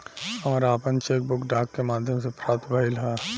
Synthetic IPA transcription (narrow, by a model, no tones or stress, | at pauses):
ɐɔːɾaːpənt͡ʃeːk̚bʊkɖaːkːemaːd̪ʱjəmsepɾaːt̪bʱəɪlɦa